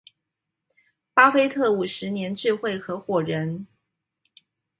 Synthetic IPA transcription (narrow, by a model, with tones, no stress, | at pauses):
pa˥fe˥ɪt̪ʰɤ˥˩u˨˩ʂɻ̩˧˥njɛ˧˥nʈ͡ʂɻ̩˥˧xwe˥˩ɪxɤ˧˥xwɔ˨˩ɻə˧˥n